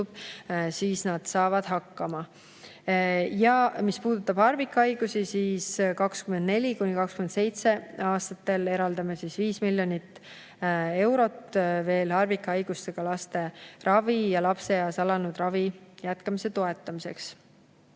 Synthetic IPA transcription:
ub̥̚siːsnɑd̪̥sɑːvɑd̪̥ɦɑkːɑmɑ | jɑmispuːd̪̥ut̪ːˑɑb̥hɑrvikˑːɑjɡ̥usisiːskɑkskymend̪ne̞lʲikunʲikɑkskyme̞nse̞jt̪se̞ɑːst̪ɑt̪ːe̞le̞ɾɑld̪ɑmesisviːsmilʲjo̞nit̪ː | e̞wɾo̞t̪ːve̞ːlhɑrvikːˑɑɑjɡ̥ust̪e̞ɡ̥ɑlɑst̪e̞rɑvijɑlɑpse̞jɑːsɑlɑnud̪̥rɑvijæt̪kɑmise̞t̪o̞e̞t̪ˑːɑmise̞̰ks

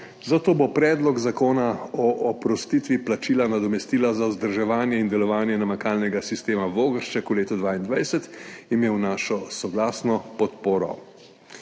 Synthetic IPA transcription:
zat̪oːbopɾɛːd̪lɔɡzakoːnaɔʔɔpɾɔst̪iːt̪ʋiplat͡ʃiːlanad̪ɔmɛst̪iːlazauzd̪əɾʒɛʋaːnjɛind̪ɛlɔʋaːnjɛnamakaːlnɛɡasist̪eːmaʋoːɡəɾʃt͡ʃɛkuleːt̪ud̪ʋaːind̪ʋajsɛt̪imeːwnaːʃɔsɔɡlaːsnɔpɔt̪poːɾɔ̰

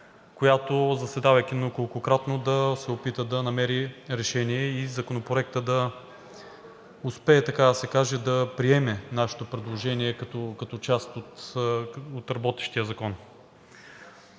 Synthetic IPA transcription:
kojat̪ozɐsɛd̪avɐjkʲinokolˠkokɾat̪nod̪ɐsɛopit̪əd̪ɐnɐmɛɾiɾɛʃɛniɛizɐkonopɾoɛk̚t̪əd̪ɐ | ʊspɛːt̪ɐkad̪ɐsɛkaʒɛd̪ɐpɾiɛmɛnaʃe̥t̪opɾɛd̪lˠoʒɛniɛkɐt̪ɔkɐt̪ɔt͡ʃast̪ot̪ | ot̪ɾɐbɔt̪ɛ̥ʃt̪ijəzɐkɔn

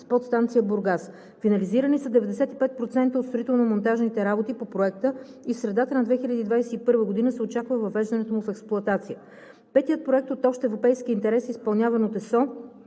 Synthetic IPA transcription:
spɔt̪st̪ant̪sijəbʊɾɡas | finɐliziɾənisəd̪ɛvɛd̪ɛsɛt̪ipɛt̪̚pɾot̪sɛnt̪əot̪st̪ɾoit̪ɛlˠnomont̪aʒnit̪ɛɾabot̪ipopɾoɛk̚t̪ə | isɾɛd̪at̪ənɐd̪vɛxiʎʲəd̪iːd̪vajsɛipɤɾvəɡod̪inəsɛot͡ʃakvəvɐvɛʒd̪ɐnɛt̪omufɛksplˠʊɐt̪at̪sijə | pɛt̪ijət̪̚pɾoɛk̚t̪ot̪ɔʃt̪ɛvɾopɛjsk̟iint̪ɛɾɛsispɐlˠnʲavɐnot̪ɛsɔ

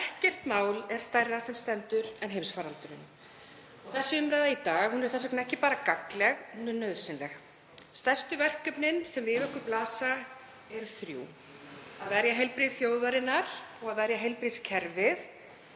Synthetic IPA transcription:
ɛhcɪr̥t̪maːwlɛɾ̥st̪ajrːasɛmst̪ɛnt̪ʏɾɛnɦejmsfaɾalt̪ʏɾɪn | ɔθɛsːʏʏmɾajðait̪aːɣhunɛɾ̥θɛs̬ɛknɛhcɪpaːɾakaklɛɣhunʏnœðsɪnlɛx | st̪ɛr̥st̪ʏvɛr̥kœpnɪnsɛmvɪœhkʏɾplaːsa | ɛɾʏɾθɾjṵː | aðvɛɾjaɦɛjlpɾiðθjowðvaɾɪnːaɾ̥ɔɣaðvɛɾjaɦejlpɾiðscʰɛɾvɪð

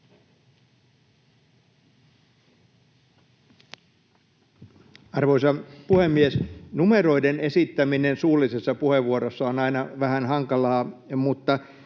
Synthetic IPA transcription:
ɑrʋoisɑpuhemːiesnumeɾo̞idenesit̪ːæminensuːlisesːɑpuheʋːuoɾosːɑonɑinɑʋæhænɦɑŋkɑlɑːmut̪ːɑ

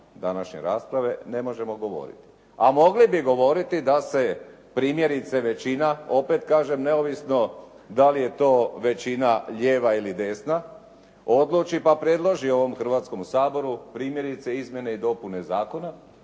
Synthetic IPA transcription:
d̪anaʃɲe̞̰ɾaːspɾaʋe̞ne̞mo̞ʒe̞moɡo̞ʋo̞̰ɾḭt̪i̥ | amo̞ɡlibiɡo̞ʋo̞ɾit̪id̪ase̞ | pɾiːmjeɾit̪se̞ʋe̞t͡ɕinao̞pe̞t̪kaːʒe̞mne̞oʋisno̞ | d̪alije̞t̪o̞ːʋe̞t͡ɕinaʎe̞ːʋailid̪e̞ːsna | o̞d̪luːt͡ʃipapɾje̞d̪lˠo̞ʒio̞ʋo̞mxr̩ʋaːt̪sko̞msaːbo̞ɾupɾiːmje̞ɾit̪se̞izmʲje̞ne̞id̪o̞pune̞zaːko̞na

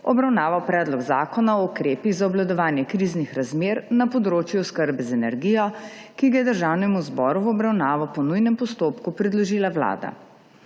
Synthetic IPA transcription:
ɔbɾawnaːʋawpɾɛːd̪lɔɡzaːkɔnaɔukɾeːpiɣzaɔblad̪ɔʋaːnjɛkɾiːznixɾazmeːɾnapɔd̪ɾoːt͡ʃjuɔskəɾbɛzɛnɛɾɡijɔ | kiɡajɛd̪əɾʒawnɛmuzbɔːɾuwɔbɾawnaːʋɔpɔnujnɛmpɔst̪oːpkupɾɛd̪lɔʒiːlaʋla̰ːd̪a̰

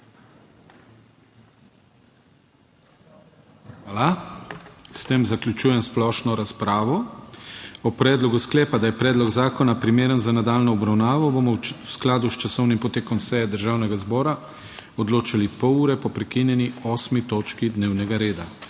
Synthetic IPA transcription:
ala | st̪eːmzaklʲjut͡ʃuːjɛmsplɔːʃnɔɾaspɾaːʋɔ | ɔpɾɛːd̪lɔɡusklɛːpad̪ajɛpɾɛːd̪lɔɡzaːkɔnapɾimeːɾənzanad̪aːlnɔɔbɾawnaːʋɔbomɔwsklaːd̪ust͡ʃasɔwnimpɔt̪eːkɔmsɛjɛd̪əɾʒaːwnɛɡazbɔːɾa | ɔd̪loːt͡ʃalipɔwuːɾɛpɔpɾɛkinjɛniɔːsmit̪oːt͡ʃkid̪neːwnɛɡaɾeːd̪a

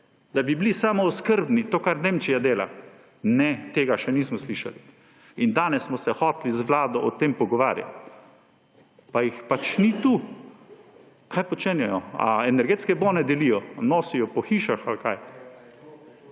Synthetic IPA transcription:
d̪abiblisaːmɔɔskəɾbnit̪oːkaɾneːmt͡ʃijad̪eːla̰ | nɛt̪eːɡaʃɛniːsmɔsliːʃa̰li | ind̪aːnɛsːmɔsɛxɔːt̪lizʋlaːd̪ɔʔɔt̪empɔɡɔʋaːɾja̰t̪ | pajixpat͡ʃnit̪u | kʰajpɔt͡ʃenjɛjɔa̰ɛnɛɾɡeːt̪skɛboːnɛd̪ɛlijɔnɔːsijɔpɔxiːʃaxalkaj

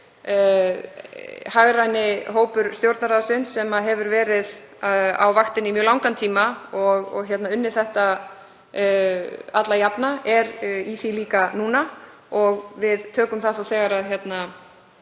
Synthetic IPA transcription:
haɣɾajnɪɦoːwpʏɾ̥st̪jowɾt̪naɾaðsɪnsːɛmaɦɛvʏɾvɛːɾɪð | a̰wvaxt̪ɪnimjœːlawŋkant̪ʰiːmaɔɣɔ̰ɣçjɛt̪naʏnːɪɾ̥θɛht̪a | at̪lajapnaɛɾiθiliːkanuːna | ɔɣvɪðt̪ʰœːkʏmθaθawθɛːɣaɾaðçjɛt̪na

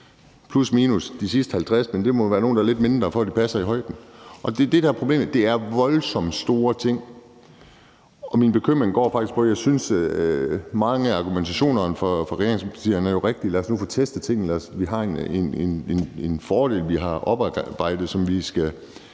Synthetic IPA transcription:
pʰlusmiːnusd̥isisd̥əhælt͡sʰʁasmend̥e̝mɒʋæːɐnoːn̩d̥ɑɐle̝d̥me̝nd̥ʁɐfɒ̽d̥ipʰæsɐiɦɒ̽ɪ̰d̥n̩ʔɒ̽d̥e̝d̥ed̥æɐpʰʁo̝b̥le̝̰ːmd̥e̝æɐʋɒ̽lsɒ̽md̥sd̥o̝ːɐt͡sʰe̝ŋ̰ | ʔɒ̽minb̥e̝kʰøm̰ʁeŋɡ̥ɒ̰ːfɑ̈ɡ̥isɡ̥pʰɒ̽jɑ̈ɪsyns | mɑ̈ŋəɑ̈ɡ̥ument͡sʰæɕo̝̰ːnɐnfɒfɒʁɛḛːɐʁeŋspʰɑ̥t͡sʰḭɐnæɐjo̝ʁeɡ̥̚d̥ilæɐsnufɒt͡sʰesd̥ət͡sʰe̝ŋ̰n̩læɐsʋiɦɑ̈enenenenenfɒːɾ̥e̝̰ːlʋiɦɑ̈ʔɒb̥b̥ɑ̈ɪ̰d̥ð̩ˠsɒ̽mʋisɡ̥æ

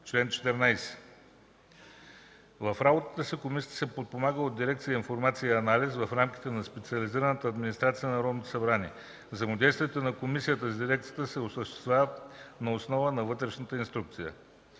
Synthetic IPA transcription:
t͡ʃlɛnt͡ʃɛ̥t̪ɛɾnajsɛ̥ | vɐfɾabot̪ə̥t̪əsikomisiət̪ə̥sɛpot̪̚pomaɡəod̪iɾɛkt̪sijəinfoɾmat̪sijɐnalizvɐfɾamkʲi̥t̪ɛnɐspɛt̪siɐliziɾənət̪əɐd̪minist̪ɾat̪sijənɐɾɔd̪not̪o̥sɐbɾanʲiɛ | vzɐjmod̪ʲɛjst̪vijɛt̪onɐkomisijət̪əzd̪iɾɛk̚t̪sijət̪əsɛosəʃt̪ɛ̥st̪vjavnɐosnɔvənɐvɤt̪ɾɛʃnət̪əinst̪ɾuk̚t̪sijə̰

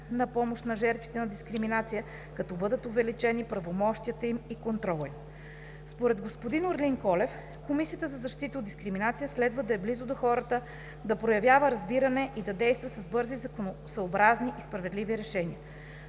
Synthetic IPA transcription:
nɐpɔmoʃt̪nɐʒɛɾt̪vit̪ɛnɐd̪iskɾiminat̪sijə | kɐt̪ɔbɤd̪ət̪ovɛlit͡ʃɛnipɾɐvomɔʃt̪ijət̪əimikont̪ɾɔlˠi | spoɾɛd̪ɡospod̪inʊɾliŋkɔlɛf | komisijət̪əzɐzɐʃt̪it̪əod̪d̪iskɾiminat̪sijəslɛd̪vəd̪ɐɛblizʊd̪oxɔɾət̪ə | d̪ɐpɾojɐvjavəɾɐzbiɾɐnɛʔid̪ɐd̪ɛjst̪vɐsɐzbɤɾzizkosɐobɾazniʔispɾɐvɛd̪liviɾɛʃɛniə

